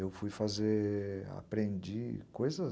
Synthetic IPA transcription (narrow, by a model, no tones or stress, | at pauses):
ewfujfazea̰pɾẽnd͡ʒikojzɐ